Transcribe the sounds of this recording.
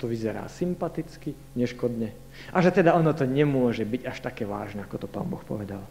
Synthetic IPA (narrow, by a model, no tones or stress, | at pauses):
t̪ɔʋizɛɾa̰ːsimpat̪it͡ski | ɲɛʃkɔd̪ɲɛ | ʔaʒɛt̪ɛd̪aɔnɔt̪ɔɲɛmʊɔʒɛbiɟaʃt̪akɛːʋa̰ːʒnɛakɔt̪ɔpa̰ːnbɔxpɔ̰ʋɛd̪al